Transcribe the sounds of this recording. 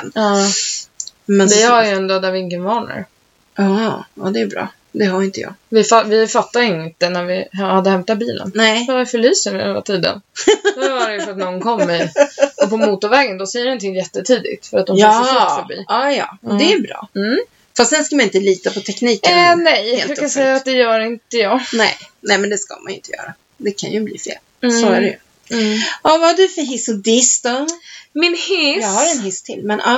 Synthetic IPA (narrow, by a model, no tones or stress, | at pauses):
nɑː | mɛnd̪ɛhaɾjəɛnd̪oːd̪æɾvɪɪŋːənvɑːɳə̰ɾ | ɑɑd̪ɛbɾɑ̰ː | d̪ɛhaɾɪnt̪əjɑ̰ːɡvɪfavɪfat̪ːajɪnt̪ənæɾvɪhad̪ːəhɛmt̪at̪̚biːlʔə̰nnɛavɪfœɭyːsənɪɛ̰na̰t̪ʰiːd̪ə̰nddvaɾɛjʊfœɾat̪nɔnkʰɔmːɪɔpʰɔmuːt̪ʊɾvɛːɡənd̪ɔsɛjːəɾɔnt̪ʰɪŋjɛt̪ːət̪ʰiːd̪ɪ̰t̪fœɾat̪̚d̪ɔmfœɾbḭːɑːjɑ̰ːɔd̪ɛːɾbɾɑ̰ː | fast̪̚d̪ɛnskamanɪnt̪əliːt̪apɔt̪ʰɛkniːkənɛjheːlfɾʉkajasɛjːaat̪̚d̪ɛjœːɾɪnt̪əjɑːɡnɛ̰jnɛmɛnd̪ɛska̰ma̰nɪ̰nt̪əjœ̰ːɾa | d̪ɛkʰa̰njɵblḭːfḛːlssoæɾɛjɵ̰ | ɑvahaɖɵfœɾɦɪsʊd̪ɪst̪ɔmɪnhɪjɑːɡhaɾɛnɦɪst̪ʰɪ̰lmɛnʔa